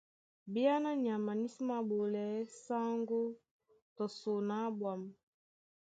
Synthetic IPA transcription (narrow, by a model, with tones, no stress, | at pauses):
bi˦a˦na˦ɲi˨a˨ma˨ni˦si˦ma˨bo˨lɛ˨˦sa˦ŋɡo˦ | tɔ˨so˨na˨˦bwa˨m˨